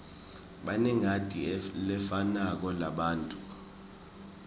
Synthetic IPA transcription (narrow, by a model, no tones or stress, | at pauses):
ɓanɛŋʱatʼilɛfanak̬ɔlaɓaːntʼu